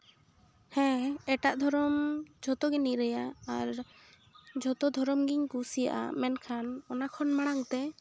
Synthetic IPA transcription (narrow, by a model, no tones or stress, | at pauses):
hɛ̃ɛʈaʔd̪ʱɔɾɔmd͡ʒʱɔt̪ɔɡɛniɾɛjaaɾ | d͡ʒʱɔt̪ɔd̪ʱɔɾɔmɡiɲkusija̰ʔa̰mɛnkʰanɔnakʰɔnmaɽ̃aŋt̪ɛ